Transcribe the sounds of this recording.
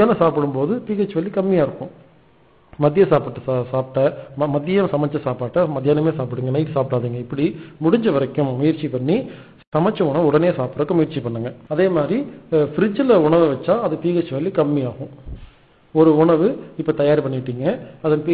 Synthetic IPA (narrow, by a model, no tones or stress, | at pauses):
jaːnɐsaːpɐɽɯmpoːðɯp̪iːɣɐt͡ʃːɯʋɐɭːikɐmːɪjaːɪɾɯkːʊ̃ | mɐðɪjɐsaːpɯʈːɯssaːpʈːɐmɐmɐðɪjɐsɐmɐt͡ʃːɐsaːpaːʈːɐmɐðɪjaːnɐmeːsaːpɯɽɯŋɡɐnɐɪʈːɯsaːpʈaːðiːŋɡɐɪpːɐɽimʊɽɪɲd͡ʒɐʋɐɾɐkːɯmːʊjɪɾt͡ʃipɐɳːi | sɐmɐt͡ʃːɐʊɳɐʋʊɽɐneːsaːpɯɾɐkːɯmʊjɪɾt͡ʃipɐɳːɯŋɡɐɐðeːmaːd̪ɾifɪɾɪd͡ʒɪlɐʊɳɐʋɐʋɐt͡ʃːãːɐðɐpiːɣɐt͡ʃːɯʋɐlːikɐmːijaːɣʊ̃ | ɔɾɯʊɳɐʋɯɪpːɐːt̪ɐjaːɾpɐɳːɪɪʈːiːŋɡɐɐðɐnpː